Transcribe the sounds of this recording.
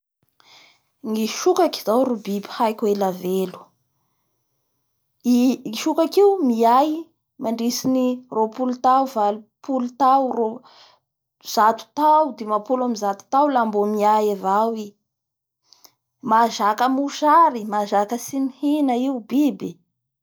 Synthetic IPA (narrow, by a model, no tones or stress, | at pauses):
ŋiʃukaki̥zawɾubibihajkʲuelavelu̥ | iiʃukakiumiaj | maɳɖ͡ʐisinirʔopulut̪awvalupʰulut̪awro | z̥at̪u̥t̪awud̪emapulamizat̪u̥t̪awlambomiajavawi | maʒakəmuʃaɾimaʒakəsinihinaiubibi